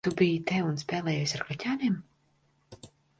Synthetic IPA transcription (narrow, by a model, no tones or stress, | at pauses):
t̪ubijt̪ɛunspʲɛːlˠɛːjujsaɾkɾatʲaːniɛm